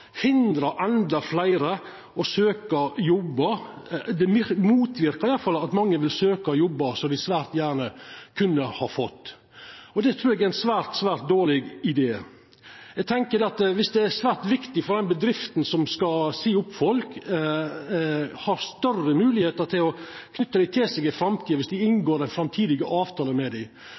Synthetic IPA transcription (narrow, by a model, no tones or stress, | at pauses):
hɪnd̪ɾɑʔɛnd̪ɑflæɪɾə | ɔsøːkɑjɔbːəd̪ɛmmuːt̪ʋɪɾkəɾɪjɑlːfɑlːɑt̪mɑŋːəʋɪlsøːkɑjɔbːɑsɔd̪ɪsʋæːɾt̪jæːɾɳəkʰʉnːəhɑɾfɔt̪ː | ɔd̪ɛt̪ʰɾʉːɾɛɡææɪnsʋæːɾt̪sʋæːɾt̪̚d̪oːɭɪɡɪd̪eː | ɛɡ̚t̪ʰɛŋkəd̪ɛɑt̪ʋɪsd̪ɛæsʋæːɾt̪ʋɪkt̪ɪfɔɾd̪ɛnbəd̪ɾɪft̪n̩sɔmskɑsiːʊpːfɔlk | hɑɾst̪œrəmʉːlɪheːt̪əɾt̪ʰɪlɔkʰnʏt̪ːəd̪æɪt̪ʰɪlsɛɡɪfɾɑmt̪ʰiːɑʋɪsd̪ɪɪnɡoːɾɛnfɾɑmt̪ʰiːd̪ɪɡəʔɑːʋt̪ʰɑːləmɛd̪æɪ